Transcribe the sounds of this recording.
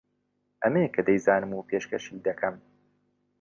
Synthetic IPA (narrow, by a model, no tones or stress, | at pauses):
ʔɐmekʰɐd̪ɛjzaːnɨmuːpʰeːʃkɐʃiːd̪ɐkʰɐm